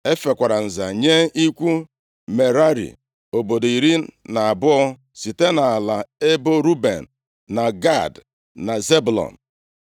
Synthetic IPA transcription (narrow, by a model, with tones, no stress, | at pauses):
e˦fe˨kʷa˨ɾa˨n̩˨za̰˨ɲe˦i˦kʷu˦ | me˨ɾa˦ɾḭ˨ | o˨bo˨do˨i˨ɾi˦na˨a˨bʊ˦ɔ˦ | si˨te˦na˨a˨la˨e˦bo˦ɾu˦bḛ˨n̩˨ | na˨ɡa˦˨d | na˨ze˦bu˨lɔ̰˨n̩˨